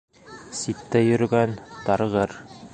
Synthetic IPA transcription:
sit̪ːæjɵ̆ɾɡænt̪ɑɾʁɤɾ

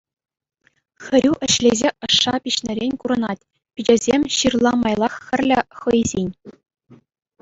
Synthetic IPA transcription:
xʲɘ̆ɾʲuʔɘ̆ɕlʲezʲeʔɤ̆ʂːɑpʲiɕnʲɘ̆ɾʲenʲkuɾɤ̆nɑtʲ | pʲid͡ʑɘ̆zʲemʲɕirlˠɑmɑjlˠɑχxʲɘ̆rʲlʲɘ̆χɤ̆jzʲenʲ

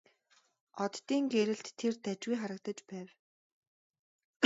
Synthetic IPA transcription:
ɔt̪ːiːŋɡeɾɘ̆ɬt̪ʰːert̪æt͡ɕwujχaɾə̆k̚t̪ə̆t͡ɕpæːw

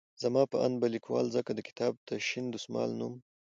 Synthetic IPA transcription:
zamɑpəa̰nbalikwɑ̰lzəkad̪əkɪ̥t̪ʰɑb̚t̪əʃind̪usmɑ̰lnum

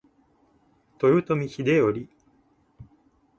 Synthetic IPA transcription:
t̪ojɯt̪omʲiçid̪ejoɾʲi

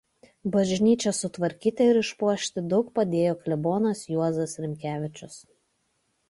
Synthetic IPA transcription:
bɐʒʲnʲiːt͡ʃʲɛsːʊt̪ʋɐɾʲkʲiːt̪ʲeɪɾɪʃpuɔʃʲt̪ʲɪd̪ɒʊk̚pɐd̪ʲeːjoːklʲɛboːnɐsjuɔzɐsɾʲɪmʲkʲæːʋʲɪt͡ʃʲʊs

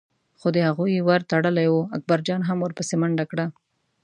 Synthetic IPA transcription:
xod̪əhaɣujwaɾt̪aɽəlajwuak̚baɾd͡ʒɑnɦamwəɾpəsemaɳɖakɽa

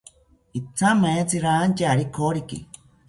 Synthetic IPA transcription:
it͡sʰamãet͡siɾant͡ʃaɾikʰoɾikḭ

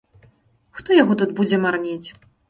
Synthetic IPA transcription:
xt̪ɔjaɣɔt̪ud̪bud͡zʲɛmarnʲet͡sʲ

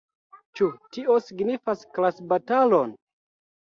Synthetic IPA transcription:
t͡ʃutiʔo̞siɡnifasklasbatalon

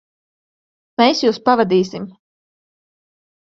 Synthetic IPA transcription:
mejsjuːspavad̪iːsim

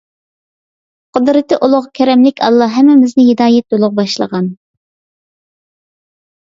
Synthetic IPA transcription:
qʰəd̪ɾɨt̪ʰɨʔulˠʊʁkʲʰɛɾɛmlɪkʲʰɑ̰lˠːɑɦɛmːɪmɪznɪɦɪd̪ɑːjɛt̪̚d̪olˠʊʁbɑʃlˠə̰ʁɑn

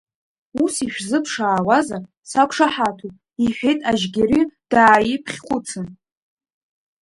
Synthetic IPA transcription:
usiʃᶣzɨpʰʂaːwaza | sakʷʰʼʂaħatʰupʼ | iħᶣe̞jtʼaʒɡʲiɾid̥aːjipʰχʲχʷʊt͡sʰɨn

